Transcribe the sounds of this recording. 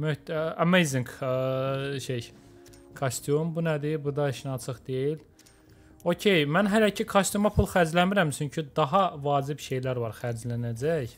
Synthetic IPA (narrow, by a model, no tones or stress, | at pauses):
møhamejziŋɡ | ʃej | kʰost̪ʰyumbunæd̪ibud̪ɑiʃnɑt͡ʃʰɯχd̪ejil | ocʰe̞jmænɦælæcʰikʰast̪jumɑpʰulˠxæɾd͡ʒlænmiɾæmt͡ʃʰyɲcʰyd̪ɑɦɑvɑːd͡ʒibʃe̞jlæɾvɑɾxæɾd͡ʒlænæd͡ʒæj